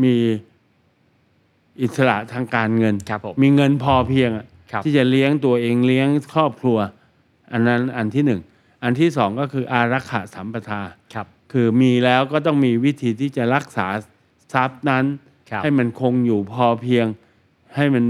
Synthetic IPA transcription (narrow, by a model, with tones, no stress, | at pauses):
miː˧ | ʔi˨˩t̪̚sa˧la̰˨˩ʔt̪ʰaː˧ŋkaː˧nŋɤ˧n˧˦miː˧ŋɤ˧npʰɔː˧pʰi˧əŋʔa˨˩ʔ̪ʰ | iː˥˩t͡ɕa˨˩li˦˥əŋt̪u˧ɐʔeː˧ŋli˦˥əŋkʰɾɔː˥˩p̚kʰlu˧ɐ | ʔa˧nːa˦˥nʔa˧nt̪ʰiː˥˩nɯ˨˩ŋ | ʔa˧nt̪ʰiː˥˩sɔː˩˦ŋkɔː˥˩kʰɯː˧ʔaː˧ɾa˦˥kʰːa̰˨˩ʔsa˩˦mpɾa˧t̪ʰaː˧ | kʰɯː˧miː˧lɛː˦˥wkɔː˥˩t̪ɔ˥˩ŋmiː˧wi˦˥t̪ʰiː˧t̪ʰiː˥˩t͡ɕa˨˩ɾa˦˥k̚sa̰ː˩˦ | sa˦˥p̚na˦˥n | ha˥˩jma˧nkʰo˧ŋjuː˨˩pʰɔː˧pʰi˧əŋ | ha˥˩jma˧n